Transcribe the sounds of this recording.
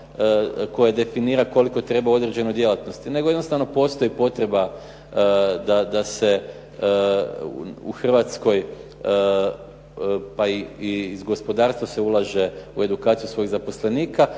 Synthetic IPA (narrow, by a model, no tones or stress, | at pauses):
ko̞jad̪e̞finiːɾako̞liko̞t̪ɾe̞bao̞d̪ɾe̞d͡ʑe̞nod̪je̞lat̪no̞st̪ine̞ɡo̞jenost̪aʋno̞po̞ːst̪o̞jipo̞t̪ɾe̞ba | d̪ad̪ase̞ | ṵxr̩ʋat̪sko̞j | paiiːzɡo̞spo̞d̪aːɾst̪ʋase̞ulˠaʒe̞ue̞d̪ukaːt̪sijusʋo̞jiɣzapo̞sle̞niːka